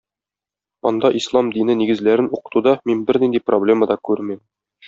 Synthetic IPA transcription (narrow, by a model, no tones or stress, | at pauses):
ɒ̰nd̪ɑʔislˠɑmd̪inɘniɡɘ̆zlæɾɘnuqɤ̥̆t̪ud̪ɑminbɘ̆ɾnind̪iproblʲe̞məd̪ɑkʉɾmɘm